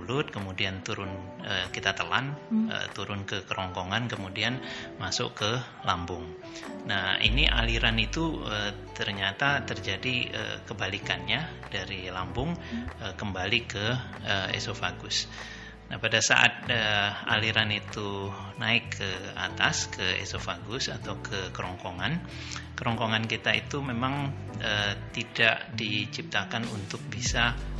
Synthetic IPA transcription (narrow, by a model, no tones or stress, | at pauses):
lʊt̪̚kəmudiant̪uɾʊnəkit̪at̪əlanə̰t̪uɾʊnkəkəɾɔŋkoŋankəmudianmasʊ̰kə | lambʊŋ | nahḭniʔa̰liɾanit̪uət̪ərɲat̪at̪ərd͡ʒadiə̰kəbalikanɲa | daɾilambʊŋəkəmbalikə | əḛsofaɡʊs | nahpadasa̰ʔa̰t̪̚əa̰liɾanit̪u | naɪkʰːəa̰t̪askʰəḛsofaɡʊsat̪awkʰəkəɾɔŋkoŋan | kəɾɔŋkoŋankit̪aḭt̪umemaŋ | ət̪idaʔdit͡ʃip̚t̪akanunt̪ʊk̚bisa